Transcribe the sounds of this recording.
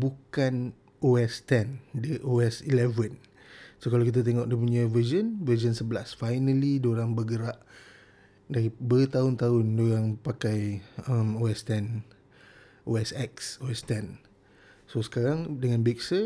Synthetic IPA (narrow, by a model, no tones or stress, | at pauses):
bukan | oɛst̪ɛndəʔoɛsilɛvən | sokalawkit̪at̪̬eŋɔʔdəp̬uɲavəzənvəzənsəbəlasfajnəlidoɾaŋbəɡəɾaʔ | daibət̪aʊnt̪aʊndoɾaŋpakajəmoɛst̪ɛn | ʔoɛsɛksoɛst̪ɛn | sosə̥kaɾaŋdəŋãnbik̚sə